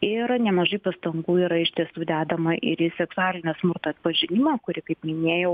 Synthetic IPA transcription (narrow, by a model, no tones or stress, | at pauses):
ɪɾnʲɛmɐʒɐɪpɐst̪ɐŋɡuːiɾɐɪʃʲt̪ʲiɛsuːd̪ʲæːd̪ɐmɐʔɪɾjɪsʲɛksʊaːlʲɪnʲoːsmʊrt̪oːɐt̪pɐʒʲɪnʲɪmɐːkʊɾʲɪkɐɪpmʲɪnʲeːjɛʊ